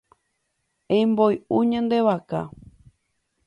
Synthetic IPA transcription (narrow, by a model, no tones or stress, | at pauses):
ẽmbojũɲãnd̪eʋaka̰